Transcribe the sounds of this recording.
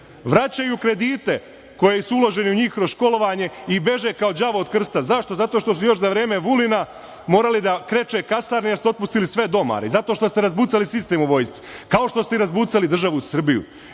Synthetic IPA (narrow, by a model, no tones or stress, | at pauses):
ʋɾat͡ɕajukɾe̞d̪iːt̪e̞ | ko̞jesuulo̞ʒe̞niuɲiːxkɾozʃko̞lo̞ʋaɲe̞ibe̞ʒe̞kao̞d͡ʒaʋoːd̪̚kr̩st̪azaʃt̪o̞zat̪o̞ːʃt̪o̞sujo̞ʃzaʋɾe̞ːmeʋulina | mo̞ːɾalid̪akɾe̞t͡ʃe̞kasaːɾnijeso̞t̪pust̪ilisʋe̞d̪o̞ma̰ɾḛzat̪oʃt̪o̞st̪eɾazbuːt̪salisist̪e̞ːmuʋo̞jst̪si̥kao̞ʃt̪o̞st̪eiɾazbuːt̪salid̪r̩ʒaʋusr̩bijṵ